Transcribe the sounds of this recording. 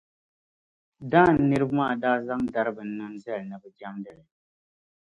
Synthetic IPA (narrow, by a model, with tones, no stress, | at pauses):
daː˦˨n̩ː˨ɨ˦ɾɨ˦bmaː˦˨daː˦za˦ŋda˦ɾɨ˦bɨ˨n̩˦nɨ˦ŋzɛ˦lnɨ˨bɨ˨d͡ʒa˦mdɨ˨lɨ˨